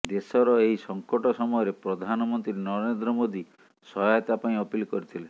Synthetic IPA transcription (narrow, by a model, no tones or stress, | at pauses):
d̪esɔɾɔeɦjsɔŋkɔʈɔsɔmɔjɔɾepɾɔd̪ʱanɔmɔnt̪ɾinɔɾend̪ɾɔmod̪i | sɔɦajɔt̪apaĩɔpilkɔɾit̪ʰilen